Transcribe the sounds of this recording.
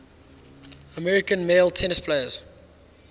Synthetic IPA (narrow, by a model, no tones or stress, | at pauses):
əmɛɹɪkə̃nmeɪlˠtʰɛnɪspʰleɪəz̥